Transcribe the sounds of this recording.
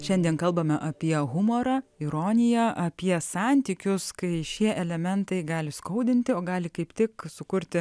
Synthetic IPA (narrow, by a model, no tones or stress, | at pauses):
ʃʲɛnʲd̪ʲiɛnkɐlˠbɐmʲɛʔɐpʲiɛɣʊmoːɾɑɪɾoːnʲɪjɛʔɐpʲiɛsɑːnʲt̪ʲiːkʲʊskɐɪʃʲiɛʔɛlʲɛmʲɛnt̪ɐɪɡɑːlʲɪskɐʊd̪ʲɪnʲt̪ʲɪoːɡɑːlʲɪkɐɪpt̪ʲɪksʊkʊɾʲt̪ʲɪ